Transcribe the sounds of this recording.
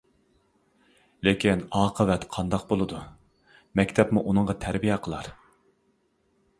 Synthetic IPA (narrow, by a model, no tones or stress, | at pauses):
lekʲinɑːqʰəvɛt̪qʰɑnd̪ɑqbolˠɨd̪u | mɛkʲt̪ʰɛpmuʔunɨŋʁɑt̪ʰæɾbijɛqʰəlˠɑɾ